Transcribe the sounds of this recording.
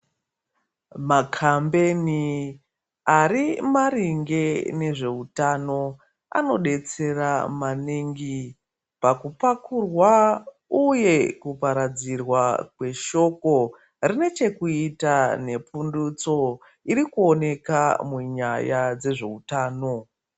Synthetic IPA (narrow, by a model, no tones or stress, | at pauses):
makʰambe̞ni | aɾimaɾiŋɡe̞ne̞ʐe̞utano̞ | a̰no̞ɗe̞t͡se̞ramaniŋɡi | pakupakurwa | uje̞kupaɾad͡zirwakwe̞ʃo̞ko̞ | rine̞t͡ʃe̞kuitane̞pundut͡so̞ | iɾikuo̞ne̞kamuɲajad͡ze̞ʐe̞utaːno̞